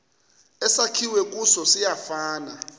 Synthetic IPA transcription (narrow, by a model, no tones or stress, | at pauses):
ɛsakʰiwɛk̬ʼusɔsijafaːna